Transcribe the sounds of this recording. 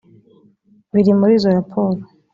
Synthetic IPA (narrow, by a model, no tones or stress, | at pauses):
βiɾimuɾiːzo̞ɾapʰo̞ːɾo